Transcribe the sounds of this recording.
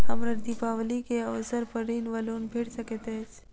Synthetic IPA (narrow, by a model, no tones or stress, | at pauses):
əmɾəɾd̪ipaʋlikeəʋsəɾpəɾiːnʋəlunbʱeɽsəket̪et͡ʃ